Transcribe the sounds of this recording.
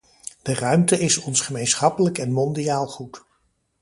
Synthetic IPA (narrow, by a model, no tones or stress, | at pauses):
d̥ərœɥmtəɪsɔnsχəmejnsχɑpələkɛnmɔndijaːlˠχut